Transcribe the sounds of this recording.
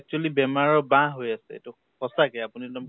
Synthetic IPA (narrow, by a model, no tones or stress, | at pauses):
ɛk̚t͡ʃualibɛmaɹɔbãɦojasɛḛtu | kɔsakɛapunitam